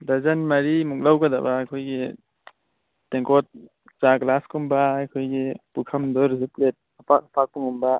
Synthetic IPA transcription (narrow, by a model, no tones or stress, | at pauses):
dazanmaɾimuk̚lawɡada̰baːkʰɔjɡe | teŋkɔt̚ | t͡ʃaɡlaskumbaakʰojɡipukʰɐmd̪ɔɾiziplet̚apak̚pʰak̚puŋumba